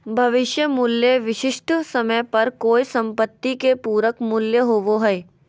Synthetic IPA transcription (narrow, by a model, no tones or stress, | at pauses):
bʱɐʋɪʃjəmʊljəʋɪʃɪʃʈʰsɐməjpɐɾkoːisɐ̃mpət̪ːikepuːɾəkmʊljəɦoʋoɦɛe